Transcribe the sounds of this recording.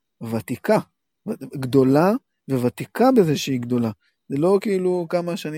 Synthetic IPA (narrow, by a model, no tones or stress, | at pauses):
vat̪ika | ɡd̪o̞la | vevat̪ikabeze̞ʃeiɡd̪o̞la | zelo̞kiiːlukamaʃani